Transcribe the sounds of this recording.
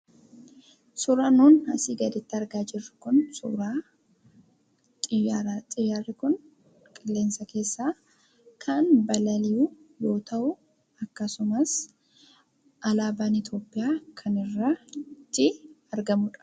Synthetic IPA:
sʊɾaːnuːnhɐsiːɡɐd̪ɛt̪ːɪɐɾɡaːd͡ʒɪrːɪkʊnsʊ̰ɾaː | t̪ʼɪjat̪ʼɪjaːrːɪkʊn | kʼɪlːe̞ːnsɐke̞ːsːaː | kʰɐnbɐlɐlɪju | jo̞ːt̪ɐʔʊ | ɐkːɐsʊmɐs | ʔɐlaːbaːnɪt̪jo̞ːpʼːɪjaːkʰɐnɪrːɐt̪ːɪɐɾɡɐmʊᶑɐ̥

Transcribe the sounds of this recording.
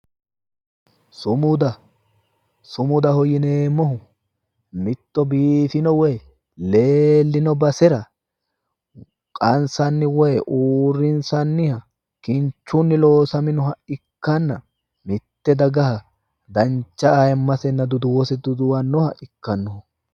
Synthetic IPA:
sʊmʊd̪ɐ | sʊmʊd̪ɐhɔjɪneːmːɔɦʊ | mɪt̪ːɔbiːfɪnɔwɛj | le̞ːlːɪnɔbɐsɛɾɐ | kʼɐnsɐnːɪwɛjʔuːrːɪnsɐnːɪhɐ | kɪɲt͡ʃːunːɪlo̞ːsɐmɪnɔɦɐʔɪkːɐnːɐ | mɪt̪ːɛd̪ɐɡɐɦɐ | d̪ɐnt͡ʃːɐajɛmːɐsɛnːɐd̪ʊd̪ʊwɔsɛd̪ʊd̪ʊwɐnːɔhɐʔɪkːɐnːɔhʊ

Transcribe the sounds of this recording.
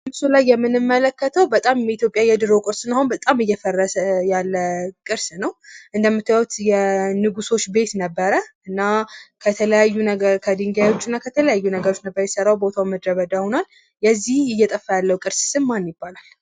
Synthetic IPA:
mɨsulajːɛmːɨnɨmːələkːət̪ʰəwbət̪ʼamjɛit̪ʰjo̞pʼjajɛd̪ɨɾo̞kʼɨɾsɨnːahunbət̪ʼamɨjːɛfərːəsəjalːəkʼɨɾsnəwʔɨnd̪əmːɨt̪ːəjawt̪jɛnɨɡuso̞t͡ʃːbe̞t̪nəbːəɾəʔɨnːakʰət̪ʰələjajːunəɡəɾkʰəd̪ɨŋɡajwo̞t͡ʃːɨnːakʰət̪ʰələjajːunəɡəɾo̞t͡ʃːnəbːəɾəjɛsərːawbo̞t̪ʰawməd̪ɾəβəd̪aho̞nal | jɛzːihɨjːɛt̪ʼəfːajalːəwkʼɨɾssɨmmanjɪbːalal

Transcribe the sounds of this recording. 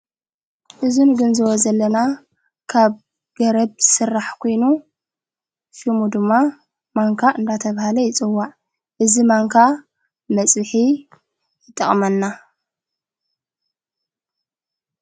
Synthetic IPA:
ʔɨzunɡɨnzɨwɔzɐlːɐna | kʰaβ | ɡ̥ɐɾɐbsɨrːaħkʰo̞jnu | ʃimud̪ɨmːa | maŋkʰaʔɨnd̪at̪ʰɐβahalɐjɪt͡sʼɨwːaʕ | ʔɨzimaŋkʰa | mɐt͡sʼɨħi | jɨt̪ʼːɐχʼmɐnːa

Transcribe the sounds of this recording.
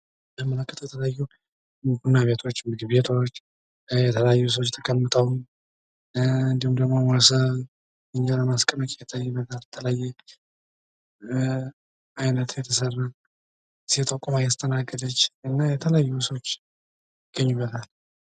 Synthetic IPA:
bəmɨnəkʼːɨt̪ʼjɛt̪ʰələjajːu | ɡunːaβe̞t̪ʰo̞t͡ʃːmɨɡɨβet̪ʰo̞t͡ʃː | jɛt̪ʰəljajːusəwot͡ʃːt̪ʰə̥kʰʼəmːɨt̪ʼəw | ɨnd̪ihumd̪əɡmomasəβ | ɨɲːaləmaskʼəməkʼejɛt̪ʰːajːubːət̪ʰalt̪ʰələajːɛ | ajnət̪ʰjɛt̪ʰəsərːan | sit̪ʼəkʼomajast̪ʼənaɡːəd̪ət͡ʃːɨnːajɛt̪ʰələajːuswot͡ʃː | jɪɡ̥əɲːubːət̪ʰal

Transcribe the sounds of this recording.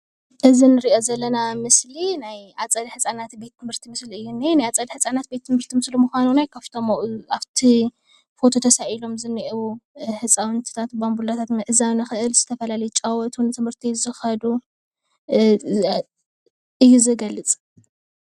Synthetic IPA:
ʔɨzinɨɾiʔo̞zɐlːɐnamɨslinajʔat͡sʼɐd̪iħɨt͡sʼanat̪be̞t̪ːɨmhɨɾt̪ʰimɨsliɨjːuninajat͡sʼɐd̪ħɨt͡sʼanat̪̚be̞t̪ːɨmhɨɾt̪ʰimɨslumuxʷanunajkʰɐft̪ʰomoʔaβt̪ʰi | fo̞t̪ʰo̞t̪ʰɐsaʔilo̞mzɨnːiʔwuħɨt͡sʼawɨnt̪ʰɨ̥t̪ʰat̪bambulat̪ʰat̪nɨʔɨzawnɨxɨʔɨlz̥ɨt̪ʰɐfɐlalɐjut͡ʃʼawɐt̪ʰnt̪ʰɨmhɨɾt̪ʰizɨxɐd̪u | ʔɨjːuzɨɡɐlːɨt͡sʼ

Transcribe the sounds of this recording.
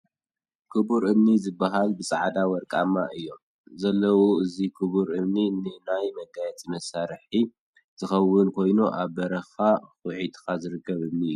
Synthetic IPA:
kʰɨbuɾʔɨmnizɨbːaɦalbɨsʼaʕd̪awɔɾkʼamːaʔɨjːo̞m | zɐlːɐwoɨzikʰɨβuɾɨmninɨnajmɐɡajɛt͡sʼimɐsaɾħi | z̥ɨxɐwːʊnkʰo̞jnuʔaβːɐɾɐxaxɨħit̪kazɨɾɨkʰːɐβɨmniɨjːu

